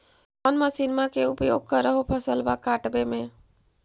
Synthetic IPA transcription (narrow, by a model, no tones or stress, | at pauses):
ənməsinmakeupjoɡ̚kəɾəɦopʰəsəlbakaʈbeme